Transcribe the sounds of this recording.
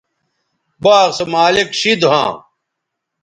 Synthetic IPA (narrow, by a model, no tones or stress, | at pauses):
baːɣsɐmaːlikɕid̪ɦã̰ː